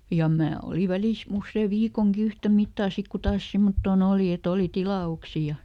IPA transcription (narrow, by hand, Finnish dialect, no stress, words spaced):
jɑ mæː oli ʋælis usːeː ʋiːkoŋki yhtæ mitːɑː sik ku tɑːs simːotːoːn oːli et oli tilɑuksi jɑ